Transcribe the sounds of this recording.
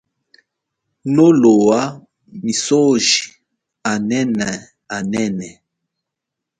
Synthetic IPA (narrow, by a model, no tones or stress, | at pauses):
nolowa | misoʒi | anɛnɛ | anɛnɛ